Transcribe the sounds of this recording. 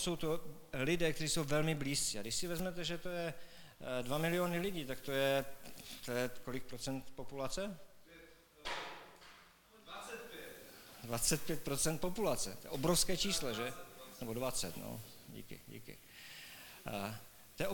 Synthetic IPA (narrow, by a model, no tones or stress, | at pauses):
so̞wt̪o | lɪdɛːk̚t̪ɛɾiːsowvɛlmɪbliːst͡siːadɪʃsɪvɛzmɛt̪ɛʒɛt̪ojɛ | dvamɪlɪonɪlɪɟiːt̪akt̪ojɛt̪ojɛko̞lɪk̚pɾot͡sɛnt̪po̞pulat͡sɛ | dvat͡sɛt̪̚pjɛt̪̚pɾot͡sɛnt̪̚populat͡sɛt̪ojɛ̰ʔobɾofskɛːt͡ʃiːslɛʒɛnɛbodvat͡sɛt̪no̰ | ɟḭːkɪ̰ɟḭːkɪ̰ | t̪ojɛʔ